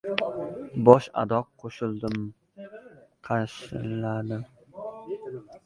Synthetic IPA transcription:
bɒʃa̰d̪ɒqʰːoʃɪlˠd̪ɪm | qʰɑʃɪlad̪ɪ

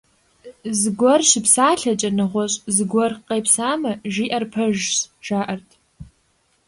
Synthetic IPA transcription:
zɡʷɔrʃɪpʰsaːɬat͡ʃʼɐnɨʁʷaɕʼzɡʷɔrqʼːejpʰsamaʒiʔɐrpʰɐʒzʒ̥aːʔɐrtʼ

